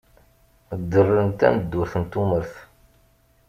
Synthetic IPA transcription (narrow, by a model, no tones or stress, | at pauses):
d̪ːərːənt̪æ̰məd̪ːʊɾθənt̪uməɾθ